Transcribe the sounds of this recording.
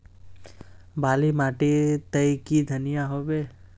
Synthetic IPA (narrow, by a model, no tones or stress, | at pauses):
baːlimaːʈit̪əjkid̪ʱənɪjaɦoːʋeː